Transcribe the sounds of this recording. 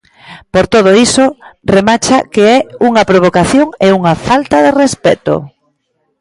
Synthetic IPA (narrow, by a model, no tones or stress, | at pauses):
poɾt̪oð̞oisoremat͡ʃakeɛuŋɐpɾoβ̞okaθjoŋeuŋafalt̪aðerespɛ̰t̪o̰